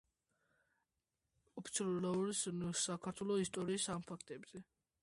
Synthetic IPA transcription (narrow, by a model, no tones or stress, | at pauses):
ɔpʰi̥t̪sʰɛllauɾissakʰaɾt̪ʰwɛlˠɔist̪ʼɔɾiːsampʰakʰt̪ʼɛbz̥ɛ